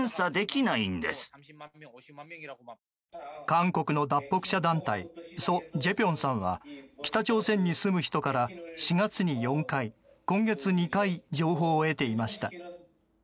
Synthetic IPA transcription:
ɰ̃sad̪e̞kʲinaĩnd̪ḛsɨ̥ | kãŋko̞kɯ̟no̞d̪apːo̞kɯ̟̥ɕad̪ãnt̪aiso̞d͡ʑe̞pʲõ̞ɰ̃sãɰ̃βa̰kʲi̥t̪at͡ɕo̞ːsẽ̞ɲ̟ːisɨmɯ̟çi̥t̪o̞kaɾaɕiɡat͡sɨɲ̟ijõ̞ŋkai | kõ̞ŋɡe̞t͡sɨɲ̟ikaid͡ʑo̞ːɦo̞ːe̞t̪e̞imaɕi̥t̪a̰

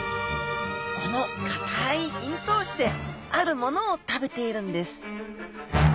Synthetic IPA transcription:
kono̞k̪ḁt̪ʰaiçĩnt̪o̞ːɕi̥t̪e̞aɾɯ̟mo̞no̞ːt̪abe̞t̪e̞iɾɯ̟̃nd̪e̞sɨ̥

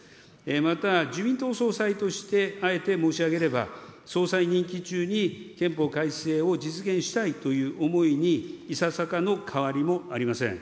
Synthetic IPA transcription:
emat̪ad͡ʑɨmʲĩnt̪o̞ːso̞ːsait̪o̞ɕi̥t̪e̞ae̞t̪e̞mo̞ːɕiaɡe̞ɾe̞ba̰so̞ːsaiɲ̟ĩŋkʲit͡ɕɨːɲ̟ikẽ̞mpo̞kaise̞ːo̞d͡ʑit͡sɨɡẽ̞ɰ̃ɕi̥t̪ait̪o̞jɯ̟ːʔo̞mo̞iɲ̟iːsasakano̞kʰaβaɾʲimo̞aɾʲimasẽ̞̰ŋ

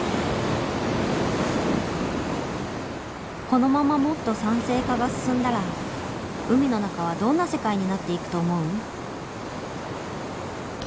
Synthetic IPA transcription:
ko̞no̞mamamo̞t̪ːo̞sãɰ̃se̞ːkaɡasɨ̥sɨ̃nd̪aɾa | ɯ̟mʲino̞nakaβ̞ad̪õ̞nːase̞kaiɲ̟inat̪ːe̞ikɯ̟̥t̪o̞ːmo̞ɯ̟

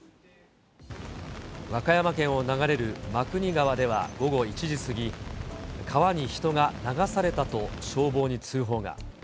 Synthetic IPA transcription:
βakajamakẽ̞ɰ̃o̞naɡaɾe̞ɾɯ̟makɯ̟ɲ̟iɡaβad̪e̞β̞a̰ɡo̞ɡo̞it͡ɕiʑisɨɡʲi | kʰaβaɲ̟içi̥t̪o̞ɡanaɡasaɾe̞t̪at̪o̞ɕo̞ːbo̞ːɲ̟it͡sɨːɦo̞ːɡa̰

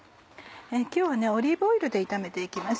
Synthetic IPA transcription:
ekʲo̞ːβane̞o̞ɾʲiboiɾɯ̟d̪e̞it̪ame̞t̪e̞ikʲimas

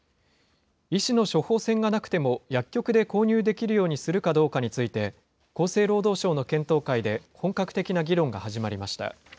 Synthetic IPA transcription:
iɕino̞ɕo̞ho̞ːsẽ̞ŋɡanakɯ̟̥t̪e̞mo̞jakʲːo̞kɯ̟d̪e̞ko̞ːɲ̟ɨːd̪e̞kʲiɾɯ̟jo̞ːɲ̟isɨɾɯ̟kad̪o̞ːkaɲ̟it͡sɨit̪e̞ | ko̞ːse̞ːɾo̞ːd̪o̞ːɕo̞ːno̞kẽ̞nt̪o̞ːkaid̪e̞hõ̞ŋkakɯ̟̥t̪e̞kʲinaɡʲiɾõ̞ŋɡa̰haʑimaɾʲimaɕi̥t̪a̰

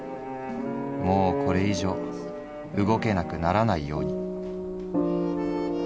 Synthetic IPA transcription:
mo̞ːkʰo̞ɾe̞iʑo̞ː | ɯ̟ɡo̞ke̞nakɯ̟naɾanaijo̞̰ːɲ̟i

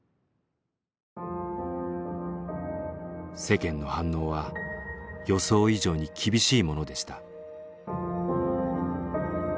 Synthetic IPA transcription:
se̞kẽ̞nːo̞hãnːo̞ːβa | jo̞so̞ːiʑo̞ːɲ̟ikʲibʲiɕiːmo̞no̞d̪e̞ɕi̥t̪ḁ

